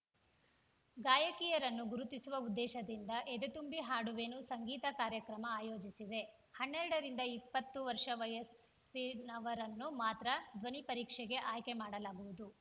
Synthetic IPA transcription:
ɡaːjɐkijɐɾɐnːuɡuɾut̪isuʋɐud̪ːɛːʃɐd̪ind̪ɐʔed̪et̪umbiɦaːɽuʋenusɐŋɡiːt̪ɐkaːɾjɐkɾɐmɐaːjo̞ːd͡ʒisid̪e̞ | hɐɳːɛɾɐɽɐɾind̪ɐipːɐt̪ːuʋɐɾʂɐʋɐjɐs | inɐʋɐɾɐnːumaːt̪ɾɐd̪ʋɐnipɐɾiːkʂɛɡe̞ʔaːjkemaːɽɐlaːɡuʋud̪u

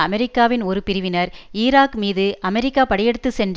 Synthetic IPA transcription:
ɐmɛɾɪkːaːʋɪnɔɾɯpɪɾɯʋɪnɐɾiːɾaːkmiːðɯʔɐmɛɾɪkːaːpɐɽɐjɛɽɯt̪ːɯsɛndr

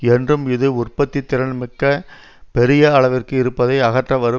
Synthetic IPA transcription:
ɛndrɯmɪðɯʊrpɐt̪ːit̪ːɪɾɐnmɪkːɐ | pɛɾɪjɐɐɭɐʋɪrkɯɪɾɯpːɐðɐɪɐɣɐʈrɐʋɐɾɯ

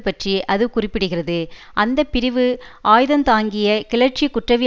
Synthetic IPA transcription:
pːɐʈriʔɐðɯkʊrɪpːɪɽɯɣɪrɐðɯ | ʔɐnd̪ɐpːɪɾɪʋɯʔaːjðɐnt̪aːŋɡɪjɐkɪɭɐʈ̚t͡ʃikʊʈrɐʋi

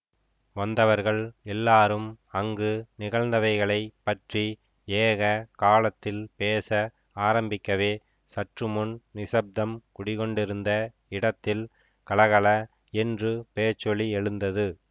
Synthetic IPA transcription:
ʋɐnd̪ɐʋɐɾɣɐɭɛlːaːɾɯm | ɐŋɡɯnɪɣɐɭnd̪ɐʋɐɪɣɐɭɐɪpːɐʈri | eːɣɐkaːlɐt̪ːɪlpeːsɐ | aːɾɐmbɪkːɐʋeː | sɐʈrɯmʊnnɪsɐb̚d̪ɐmkʊɽɪɣɔɳɖɪɾɯnd̪ɐ | ɪɽɐt̪ːɪl | kɐɭɐɣɐɭɐ | ɛndrɯpeːt͡ʃːɔɭiɛɻɯnd̪ɐðɯ

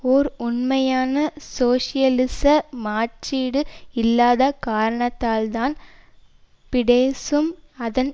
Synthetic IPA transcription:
ɔɾʊɳmɐjaːnɐsoːʂɪjɐlɪsɐmaːʈt͡ʃiːɽɯɪlːaːðɐkaːɾɐɳɐt̪ːaːlt̪aːn | pɪɽeːsɯmɐðɐn

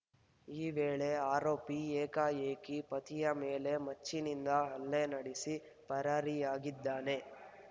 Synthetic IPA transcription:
iːʋeːɭe̞aːɾoːpieːkaeːkipɐt̪ijɐmeːle̞mɐt͡ʃːinind̪ɐɦɐlːenɐɽisi | pɐɾaɾiaːɡid̪ːaːne̞

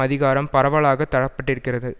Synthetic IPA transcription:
ɐðɪɣaːɾɐmpɐɾɐʋɐɭaːɣɐt̪ːɐɽɐpːɐʈːɪɾɯkːɪrɐðɯ

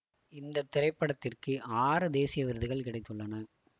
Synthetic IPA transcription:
ɪnd̪ɐt̪ːɪɾɐɪpːɐɽɐt̪ːɪrkɯaːɾɯd̪eːsɪjɐʋɪɾɯðɯɣɐɭkɪɽɐɪt̪ːɯɭːɐnɐ

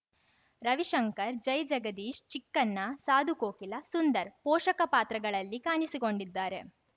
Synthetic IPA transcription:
ɾɐʋiʂɐŋkɐɾd͡ʒɐjd͡ʒɐɡɐd̪iːʃt͡ʃikːɐnːɐsaːd̪ʱukoːkilɐsund̪ɐɾpɔːʂɐkɐpaːt̪ɾɐɡɐɭɐlːikaːnisiko̞ɳɖid̪ːaːɾe̞

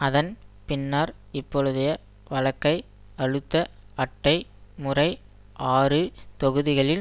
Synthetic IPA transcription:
ɐðɐnpɪnːaːɾ | ɪpːɔɻɯðɐjɐ | ʋɐlɐkːɐɪ | ɐɻɯt̪ːɐ | ɐʈːɐɪmʊrɐɪ | ʔaːrɯt̪ɔɣɯðɪɣɐɭɪl

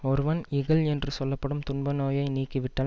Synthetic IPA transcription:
ɔɾɯʋɐnɪɣɐlɛndrɯsɔlːɐpːɐɽɯmt̪ʊnbɐnoːjɐɪniːkːɯʋɪʈːɐː

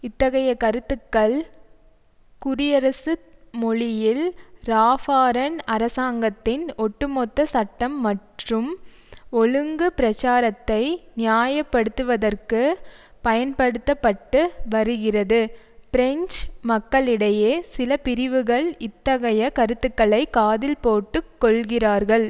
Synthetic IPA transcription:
ɪt̪ːɐɣɐjɐkɐɾɯt̪ːɯkːɐɭ | kʊɾɪjɐɾɐsɯmɔɭɪjɪlɾaːfaːɾɐnɐɾɐsaːŋɡɐt̪ːɪnɔʈːɯmɔt̪ːɐsɐʈːɐmːɐʈrɯm | ɔɻɯŋɡɯpɪɾɐt͡ʃaːɾɐt̪ːɐɪnɪjaːjɐpːɐɽɯt̪ːɯʋɐðɐrkɯpɐjɐnpɐɽɯt̪ːɐpːɐʈːɯʋɐɾɯɣɪrɐðɯpɪɾɛɲt͡ʃmɐkːɐɭɪɽɐjeːsɪlɐpɪɾɪʋɯɣɐɭɪt̪ːɐɣɐjɐkɐɾɯt̪ːɯkːɐɭɐɪkaːðɪlpoːʈːɯkːɔɭɣɪraːɾɣɐɭ

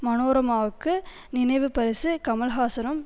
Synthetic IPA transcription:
mɐnoːɾɐmaːʋɯkːɯ | nɪnɐɪʋɯpɐɾɪsɯkɐmɐlɣaːsɐnɐm

